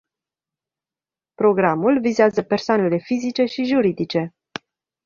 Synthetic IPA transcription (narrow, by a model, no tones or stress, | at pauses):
pɾo̞ɡɾamulvizeazəpe̞rsoane̞le̞fizit͡ʃe̞ʃiʒuɾid̪it͡ʃe̞